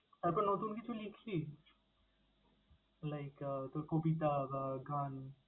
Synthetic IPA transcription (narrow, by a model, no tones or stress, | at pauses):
apənɔt̪uːnkit͡ʃʰulikʰli | laɪkət̪okobit̪abaɡãn